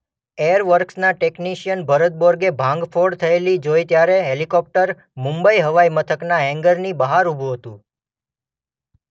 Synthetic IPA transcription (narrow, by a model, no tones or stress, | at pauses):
ejəɾʋəɾksnaʈekniʃijənbʱəɾət̪̚boɾɡebʱãŋɡfʰoɽt̪ʰəelid͡ʒoit̪jaɾeɦelikɔp̚ʈəɾ | mũmbəiɦəʋaimət̪ʰəknaɦɛ̃ŋɡəɾnibəɦaɾubʱuɦət̪ũ